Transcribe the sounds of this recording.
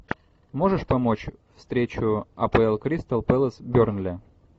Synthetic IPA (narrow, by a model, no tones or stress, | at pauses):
mo̞ʐɨʂpɐmo̞t͡ɕfst̪ɾʲet͡ɕʊɐ̰pəɛlˠkɾʲist̪ɐlˠpɛlˠəsbʲornlʲɪ